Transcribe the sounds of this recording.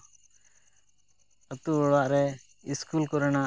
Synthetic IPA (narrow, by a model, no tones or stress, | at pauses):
ət̪uɔɭaʔɾɛ | iskulkɔɾənaʔ